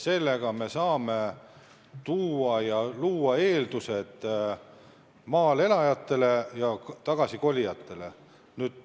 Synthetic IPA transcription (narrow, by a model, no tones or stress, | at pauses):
se̞lːe̞ɡ̥ɑme̞sɑːme̞ | t̪uːɑjɑluːɑe̞ːld̪use̞d̪̥ | mɑːle̞lɑjɑt̪ːˑe̞le̞jɑt̪ɑɡ̥ɑsiko̞lʲijɑt̪ːˑe̞le̞ | nyːd̪̥̚